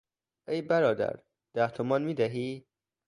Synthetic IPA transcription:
ʔejbæɾɒːd̪æ̰ɾ | d̪̥æht̪ʰomɒːnmiːd̪æɦiː

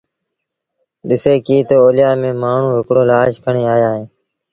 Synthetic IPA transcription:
ɗɪseːkiːt̪oːoːlɪjaːmẽːmaːɳ̤ũːɦɪkɽoːlaːʃkʰəɳeːaːjaːɦẽː

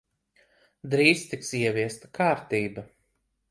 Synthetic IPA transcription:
d̪ɾiːst̪iksiɛviɛst̪ḁkʰaːɾt̪iːbɐ

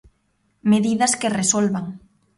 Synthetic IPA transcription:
meðiðɐskeresolβaŋ

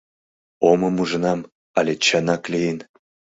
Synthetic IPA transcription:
omə̆muʒə̆nɑm | ɑlʲet͡ɕənɑklejin

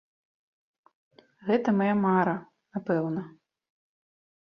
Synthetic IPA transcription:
ɣɛt̪ɐmajamaɾɐ | napɛwnɐ

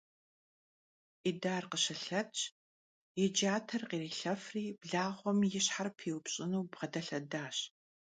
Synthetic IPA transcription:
ʔidaːrqəɕɐɬɐt͡ʃʼ | jɛd͡ʒaːtʰɐrqiːriːɬɐfriːb̥ɮaːʁʷɔmjɪɕħarpʰiːwʊpɕʼɪnuːbʁɐdʰɐɬɐdaːɕ

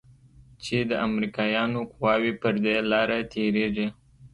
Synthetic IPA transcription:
t͡ʃed̪əamɾikɑjɑnokʊwɑwipəɾd̪elɑɾat̪ʰeɾeʐi

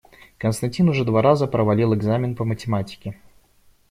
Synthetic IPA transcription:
kənst̪ɐnʲtʲinʊʐɛd̪vaɾazəpɾəvɐlʲilˠɛɡzamʲɪnpəmətʲɪmatʲɪ̥kʲɪ

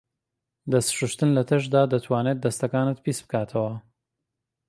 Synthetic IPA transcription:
d̪ɐst̪ʃuʃt̪ɨnlɐt̪ʰɐʃd̪aːd̪ɐt̪ʰwaːnet̪̚d̪ːɐst̪ɐkaːnɨt̪pʰisbɨkaːt̪ʰɐwɐ

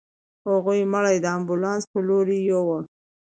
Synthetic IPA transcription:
haɣujməɽajd̪əambulɑnspəloɾijowəl

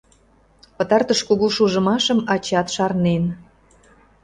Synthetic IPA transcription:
pə̆t̪ɑrt̪əʃkuɣuʃuʒə̆mɑʃəmɑt͡ɕɑt̪ʃɑrnen

